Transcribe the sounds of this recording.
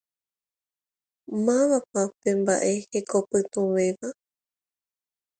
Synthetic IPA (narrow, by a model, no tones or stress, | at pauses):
mãβapãpẽ̞mba̰ʔe̞he̞kopɨt̪ũʋe̞ʋa